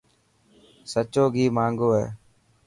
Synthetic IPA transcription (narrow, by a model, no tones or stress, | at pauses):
sət͡ʃoːɡiːmaːŋɡoːɦɛ̰ː